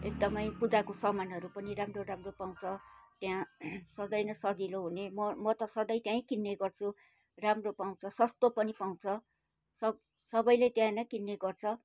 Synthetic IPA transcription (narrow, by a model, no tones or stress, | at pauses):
ek̚d̪ʌmʌjpud̪akosʌmanɦʌɾupʌniramroramropaw̃t͡sʰʌt̪jãsʌd̪ʌjnʌsʌd̪iloɦunemʌmʌt̪ʌsʌd̪ʌjt̪jãĩkinːeɡʌrt͡sʰu | ramropaw̃t͡sʰʌsʌst̪opʌnipaw̃t͡sʰʌ | sʌ | sʌbʌjlet̪jãnʌkinːeɡʌrt͡sʰʌ